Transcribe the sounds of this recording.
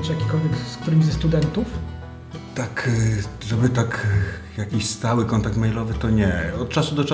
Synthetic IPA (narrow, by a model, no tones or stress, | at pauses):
ʐjakʲi̥kɔlvʲjɛksk̚t̪uɾɘmizɛst̪ud̪ɛnt̪uf | t̪akʐɛbɘt̪ak | jakʲiɕst̪awɘkɔnt̪ak̚t̪mɛjlɔvɘt̪ɔɲɛɔt̪̚t͡ʂasud̪ɔt͡ʂa